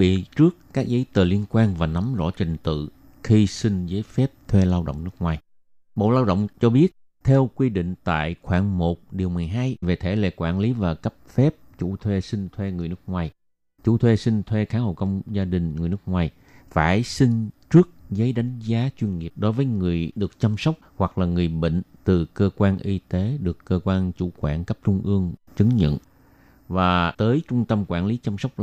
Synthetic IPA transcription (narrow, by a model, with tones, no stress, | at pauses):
ḭ˧˨t͡ɕɨ˦˥əkkaː˦˥k̚zə˨˦jt̪əː˨˩li˧ənkwaː˧nvaː˨˩na˨˦mzɔ̰˧˥˩t͡ɕi˨˩ŋt̪ɨ̰˧˨ | xi˧sï˧ŋ̟zəː˨˦jfɛ˦˥p̚t̪ʰwe˧laː˧wɗə̰˧˨wŋ͡mnɨ˦˥k̚ŋwaː˨˩j | ɓo̰˧˨laː˧wɗə̰˧˨wŋ͡mt͡ɕɔ˧ɓi˦˥ət̚ | t̪ʰɛ˧wkwi˧ɗḭ˧˨ŋ̟t̪a̰ː˧˨jxwaː˧˩ŋmo˨˩t̚ɗi˨˩əwmɨ˨˩əjɦaː˧jve˨˩t̪ʰe˧˩lḛ˧˨kwaː˧˩nli˨˦vaː˨˩kə˦˥p̚fɛ˦˥p̚t͡ɕu˧˩t̪ʰwe˧sï˧ŋ̟t̪ʰwe˧ŋɨ˨˩əjnɨ˦˥ək̚ŋwaː˨˩j | t͡ɕṵ˧˩t̪ʰwe˧sï˧ŋ̟t̪ʰwe˧xaː˨˦ho̰˧˨kə˧wŋ͡mzaː˧ɗï˨˩ŋ̟ŋɨ˨˩jnɨ˦˥ək̚ŋwaː˨˩j | faː˧˩jsï˧ŋt͡ɕɨ˦˥ək̚zə˨˦jɗa˨˦jŋ̟zaː˨˦t͡ɕwi˧ənŋi˨˩əp̚ɗo˨˦jvəː˨˦jŋɨ˨˩əjɗɨ˨˩ək̚t͡ɕa˧msə˦˥wk͡p̚hwa˨˩k̚laː˨˩ŋɨ˨˩əjɓḛ˧˨ŋ̟t̪ɨ˨˩kəː˧kwaː˧nʔi˧t̪e˨˦ɗɨ˨˩əkːəː˧kwaː˧nt͡ɕu˧˩kwaː˧˩nkə˦˥p̚t͡ɕʊ˧ŋ͡mʔɨ˧əŋt͡ɕɨ˨˦ŋɲə̰˧˨n | vaː˨˩t̪əː˨˦jt͡ɕʊ˧ŋ͡mt̪ə˧mkwaː˧˩nli˨˦t͡ɕa˧msə˦˥wk͡p̚